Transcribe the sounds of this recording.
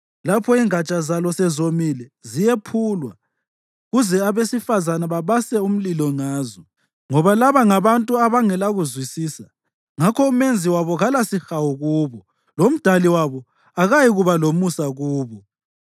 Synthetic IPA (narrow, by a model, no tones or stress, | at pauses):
lapʰɔiŋat͡ʃʼazalɔsɛzomilɛzijepʰuːlwa | ɣuzɛaβesifazanaβaβasɛum̩lilɔŋaːzɔ | ŋɔβalaβaŋaβantʼuaβaŋɛlaɣuzwisiːsa | ŋakʰɔumend͡zʱiwaβɔɣalasixawuɣuːβɔ | lom̩d̥ʱaliwaβɔ | aɣajiɣuβalomusaɣuːβɔ